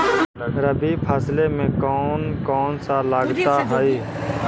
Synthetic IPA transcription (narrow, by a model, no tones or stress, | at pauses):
ɾəbiːpʰaːsleːmẽːkɔːnkɔːnsaːlaːɡt̪aːɦaːiː